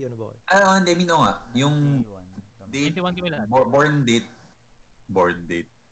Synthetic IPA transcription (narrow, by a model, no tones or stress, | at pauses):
ʔãnd̪ɛʔmĩnoŋa̰ʔjʊŋ | d̪et̪bboɹnd̪et̪̚ | boɹnd̪et̪̚